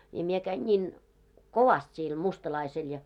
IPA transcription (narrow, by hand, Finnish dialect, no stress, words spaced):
jɑ mie kæin nʲiːn koʋɑst siːl mustɑlɑisel jɑ